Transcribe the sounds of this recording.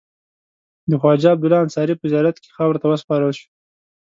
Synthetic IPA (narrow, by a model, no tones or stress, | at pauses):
d̪əxwɑd͡ʒɑab̚d̪ʊlɑansɑɾipəzjɑɾat̪ke̥xawɾot̪awəspɑɾəlʃu̥